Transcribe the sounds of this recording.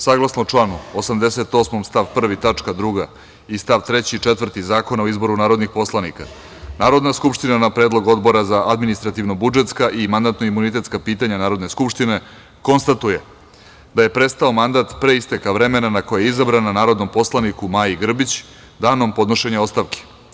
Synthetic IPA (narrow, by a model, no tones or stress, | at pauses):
saɡlˠasnot͡ʂlanuosamd̪e̞se̞t̪o̞ːsmomst̪aʋpr̩ʋit̪at͡ʂkad̪ɾuɡa | ist̪aʋt̪ɾe̞t͡ɕit͡ʂet̪vr̩t̪izaːko̞naoizbo̞ɾunaːɾo̞d̪nixpo̞slˠanika̰ | naːɾo̞d̪naskupʃt̪inanapɾeːd̪lˠo̞ɡo̞d̪bo̞ɾazaʔad̪minist̪ɾat̪iʋnobud͡ʒe̞t̪skaʔimand̪at̪no̞imunit̪e̞t̪skapiːt̪aɲanaːɾo̞d̪ne̞skupʃt̪ine̞ | ko̞nst̪at̪uje | d̪aje̞pɾe̞st̪ao̞mand̪at̪pɾe̞ist̪ekaʋɾe̞me̞nanako̞jeizabɾananaːɾo̞d̪no̞mpo̞slˠanikumaːjiɡr̩bit͡ɕ | d̪aːno̞mpo̞d̪no̞ʃe̞ɲao̞st̪aʋke̥